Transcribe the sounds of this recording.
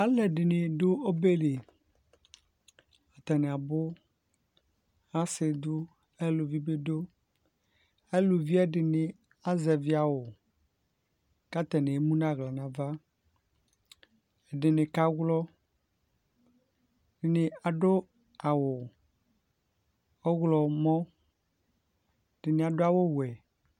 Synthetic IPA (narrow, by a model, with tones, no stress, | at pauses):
a˦lɛ˨ɖe˨nẽ˨ɖo˦o˦be˦le˨ | a˨t̪ɛ˨nẽ˨a˨bo˦ | a˦se˨d̪u˦ | e˦lo˨vi˦be˦ɖo˦ | e˦lo˨vi˦ɛ˦ɖe˨ne˨ | a˦zɛ˨vi˦a˨wo˨ | ka˦t̪ɛ˨ne˨e˦mũ˦nã˦˨ɣla˨nã˨va˦ | e˨ɖe˨ne˨ka˦ɡlɔ˦ | ɖɪ˨ne˨a˨ɖo˦ | a˨wo˨ | ɔ˦ɣlɔ˨mɔ̃˦˨ | ɖɪ˨ne˨a˨ɖo˦a˨wo˦wɛ˨